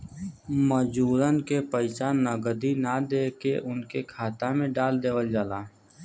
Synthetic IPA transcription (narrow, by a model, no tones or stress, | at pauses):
məd͡ʒuːɾənkepəɪt͡ʃaːnːəɡəd̪inad̪eːkeʔʊnkekʰaːt̪amẽɖaːld̪eːʋəld͡ʒaːlaː